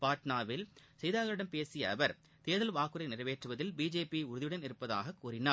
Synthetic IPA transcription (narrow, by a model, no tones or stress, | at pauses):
paːʈnaːʋɪlsɛjðaːɣɐɾɪɽɐmpeːsɪjɐːʋɐɾ | t̪eːðɐlʋaːkɯɾɐɪnɪrɐʋeːʈrɯʋɐðɪlbiːd͡ʒeːpiʊɾɯðɪjɯɽɐnɪɾɯpːɐða̰ːɣɐkːuːɾɪnaː